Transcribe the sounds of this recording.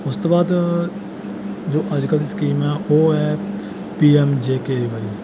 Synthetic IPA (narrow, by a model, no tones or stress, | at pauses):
ʊst̪obaːd̪ | d͡ʒoːʔəd͡ʒkəlskiːmɦɛʋoːɦɛ | piːɛmd͡ʒeːkeːbaːi